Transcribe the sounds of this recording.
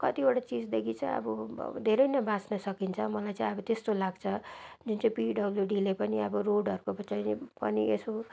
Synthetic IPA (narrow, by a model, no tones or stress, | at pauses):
kʌt̪ibaʈat͡sid͡zd̪ekʰit͡saj̃ʌ̰bud̪ʱeɾʌjnʌbãsnʌsʌkint͡sʰʌmʌlajt͡sãĩʌbʌt̪est̪olaɡt͡sʰʌd͡zunt͡sʌĩpiɖʌbljuɖilepʌniʌbʌroɖʌɾukopʌt͡sãnpʌnieso